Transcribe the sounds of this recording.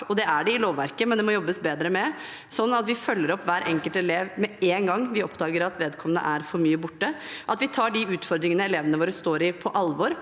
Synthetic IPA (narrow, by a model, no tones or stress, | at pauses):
ɔd̪ɛæɖɛɪloːʋːæɾkəmɛnd̪ɛmɔjɔbːəsbeːd̪ɾəmɛ | sɔnːɑt̪ʋɪfœlːəɾɔpːʋæːɾʔɛŋkəlt̪ɛleːʋmɛeːnɡɑŋːʋɪɔpd̪ɑːɡəɾɑt̪ʋeːd̪kʰɔmənə̰ʔæɾfɔɾmyːəbʊʈːəʔɑt̪ʋɪt̪ʰɑːɖɪʉːt̪fɔɾd̪ɾɪŋənəɛleːʋənəʋoːɾəst̪oːɾɪpʰɔʔɑlʋɔɾ